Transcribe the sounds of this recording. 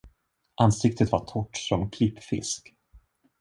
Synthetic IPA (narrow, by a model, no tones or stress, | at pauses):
ʔansɪk̚t̪ət̪vaʈʰɔʈːsɔmkʰlɪpːfɪ̰sk